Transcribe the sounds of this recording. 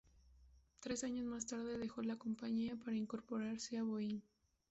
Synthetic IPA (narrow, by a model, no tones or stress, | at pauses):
t̪ɾe̞saɲo̞zmast̪aɾðe̞ðe̞xo̞lako̞mpaɲiapaɾaiŋko̞ɾpo̞ɾaɾseaβoin